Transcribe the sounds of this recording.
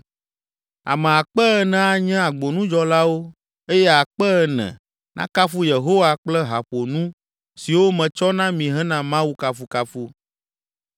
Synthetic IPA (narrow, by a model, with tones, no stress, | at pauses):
a̰˨mɛ̃˨a˨k͡pɛ˦ɛ˨nɛ̃˨a˨ɲɛ̃˦a˨ɡ͡bo˨nũ˦d͡ʒɔ˦la˦wo˦ | e˦jɛ˦a˨k͡pɛ˦ɛ˨nɛ̰̃˨ | nʔã̰˦ka˦fu˦je˨ɦo˦wa˦k͡plɛ˦ɦa˨ɸo˨nũ˦ | si˨wo˦mɛ̃˨t͡ʃɔ˦nã˦mĩ˨ɦɛ̃˦nã˦mã˦wu˦ka˦fu˦ka˦fu˦